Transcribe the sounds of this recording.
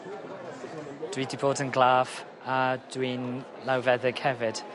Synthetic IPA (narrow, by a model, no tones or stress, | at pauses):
d̥wiːdiboːdənɡlaːv | ad̥wiːn | lawvɛðɛɡʰhɛvɪd̥